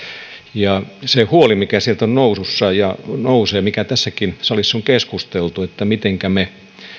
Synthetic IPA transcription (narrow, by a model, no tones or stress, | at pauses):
jɑsehuolimikæsielt̪onnoususːɑjɑnouseːmikæt̪æsːækinsɑlisːoŋkeskust̪elt̪uet̪ːæmit̪eŋkæme